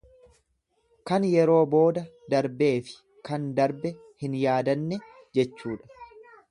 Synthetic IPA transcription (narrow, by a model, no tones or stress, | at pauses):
kɐnjɛɾo̞ːbo̞ːd̪ɐ | d̪ɐɾbe̞ːfɪ̥ | kɐnd̪ɐɾbɛ | hɪnjaːd̪ɐnːɛ | d͡ʒɛt͡ʃːuːᶑɐ̥